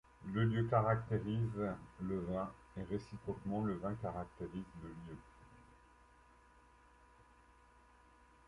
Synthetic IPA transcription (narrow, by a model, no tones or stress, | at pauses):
ləljøkaʁak̚t̪eʁizləvɛ̃ | eʁesipχɔkmɑ̃ləvɛ̃kaʁak̚t̪eʁizləljø